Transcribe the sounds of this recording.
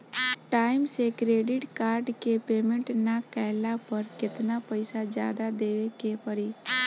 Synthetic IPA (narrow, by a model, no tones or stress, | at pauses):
ʈaɪmsekɾeɖɪʈkaːɾɖkepeːmẽɳʈnakɛlapəɾkɪt̪napəɪsad͡ʒja̰ːd̪ad̪eːʋekepəɾi